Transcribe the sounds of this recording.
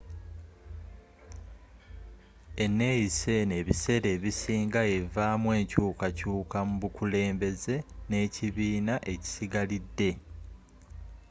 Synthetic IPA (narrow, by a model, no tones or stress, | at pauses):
e̞nːe̞jise̞ne̞ːβise̞ɾe̞ːβisiːŋɡae̞vaːmwe̞ːɲcuːkacuːkamuβukule̞ːmbe̞ze̞ne̞ːciβiːnaʔe̞ci̥siɡalidːe̞